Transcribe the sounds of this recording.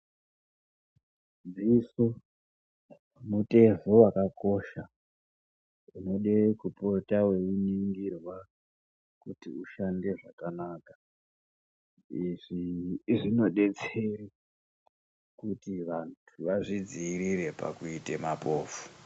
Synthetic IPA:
d͡ziso | mute̞ʐowakako̞ʃa | uno̞ɗekupo̞tawe̞uniŋɡirwa | kutiuʃande̞ʐakanaːkḁ | iʐiʐino̞ɗe̞t͡seri | kutiʋantʰuʋaʐid͡ziːɾiɾe̞pa̰kuitemapoːfu̥

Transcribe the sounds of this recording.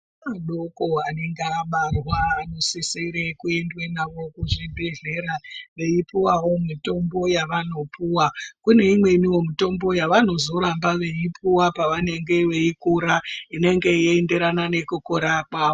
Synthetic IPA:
aɗokoane̞ŋɡeaɓarwaːno̞siseɾekue̞ndwenaʋo̞kuʐibʱe̞ɮe̞ːɾaʋe̞ipiwawo̞mito̞mbo̞jaʋano̞puwakune̞imwe̞niwo̞mito̞mbo̞jaʋano̞zo̞ɾambaʋe̞ipʰuwapaʋane̞ŋɡe̞ʋe̞ikuɾaine̞ŋɡe̞jende̞ɾanane̞kukoɾakwaːo

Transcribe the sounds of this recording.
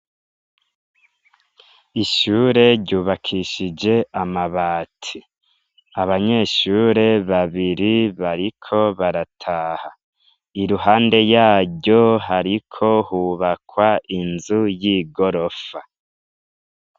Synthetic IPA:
iʃuːɾe̞ɾɟuːβakʰiʃid͡ʒe̞amaβaːtʰi | aβaɲe̞ʃuːɾe̞βaβiɾiβaɾikʰo̞βaɾatʰaːha | iɾuɦaːnde̞jaːɟo̞ɦaɾikʰo̞huːβakwaʔinzujiːɡo̞ɾo̞fa

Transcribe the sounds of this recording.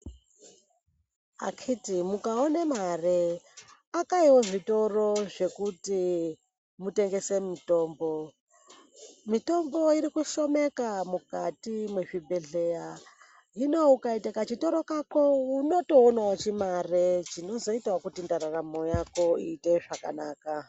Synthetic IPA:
a̰kʰitimukaonemare | akaiwo̞ʐito̞ro̞ʐe̞kuti | mute̞ŋɡe̞se̞mito̞ːmbo̞ | mito̞mbo̞iɾikuʃo̞me̞kamukatimweʐibʱe̞ɮe̞ja | ino̞ukaitakat͡ʃito̞ɾo̞kakouno̞to̞ːnawat͡ʃimaret͡ʃino̞zo̞itwakutindaɾaramo̞jako̞ḭːte̞ʐaka̰naːka

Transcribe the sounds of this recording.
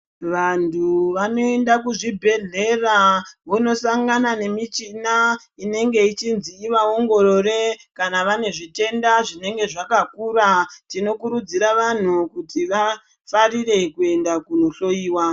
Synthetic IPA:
ʋantʰuʋano̞e̞ndakuʐibʱe̞ɮe̞raʋono̞saŋɡanane̞mit͡ʃina | ine̞ŋɡe̞it͡ʃinziːʋao̞ŋɡo̞ɾo̞re̞kanaʋane̞ʐite̞ndaʐine̞ŋɡe̞ʐakakuɾatino̞kuɾud͡ziɾaʋan̤ukutiʋa | farire̞kue̞ndakuno̞ɬo̞iːwa

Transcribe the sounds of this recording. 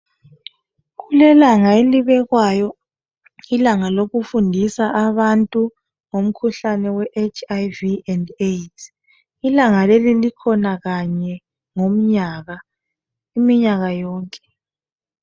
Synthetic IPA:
ɣulɛlaŋaeliβɛɣwajɔ | ilaŋaloɣufundʱisaʔaβantʼu | ŋom̩kʰuɬanɛwɛʔet͡ʃajviɛndetʰ | ilaŋalelilikʰɔnaɣaɲɛ | ŋom̩ɲaːɣa | imiɲaɣajɔːŋkʼɛ̥

